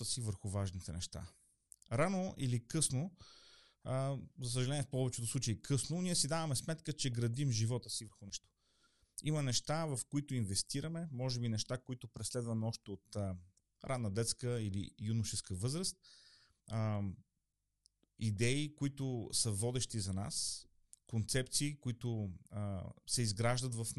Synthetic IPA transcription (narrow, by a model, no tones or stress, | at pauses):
əsivəɾxʊvaʒnit̪ɛnɛ̰ʃt̪a̰ | ɾanoʔilikɤsno | zɐs̬əʒɐlɛnʲiːɛfpɔvɛt͡ʃɛt̪ʊsˠut͡ʃəikʰɤsnoniɛsid̪avɐmɛsmɛt̪kət͡ʃɛɡɾɐd̪imʒivɔt̪əsivəɾxʊnɛʃt̪o̥ | imənɛʃt̪avɐfkoit̪ʊinvɛst̪iɾɐmɛmɔʒɛbinɛʃt̪akoit̪ʊpɾɛslɛd̪vɐmɛɔʃt̪ɛot̪ə | ɾʔad̪nəd̪ɛt̪skəilḭjunʊʃɛskəvɤzɾəst̪̚ | id̪ɛikoit̪ʊsəvɔd̪ɛʃt̪izɐna̰s | kont̪sɛp̚t̪siːkoit̪ʊ | sɛizɡɾaʒd̪ət̪vɐf